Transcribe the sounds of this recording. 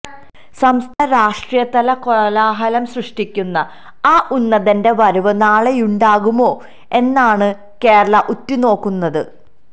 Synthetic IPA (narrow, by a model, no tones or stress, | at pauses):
sɐmst̪ʰɐnɐɾaːʂʈrijɐt̪ɐlɐkoɻɐlaːɦɐlɐmsrɨʂʈikʲːunːɐ | aːʔunːɐðɐnde̞ʋɐɾuʋɐnaːɭejuɳɖaːɣumo̞ː | e̞nːaːɳɨ | ke̞ːɾɐɭɐʔutːino̞ːkːunːɐðɨ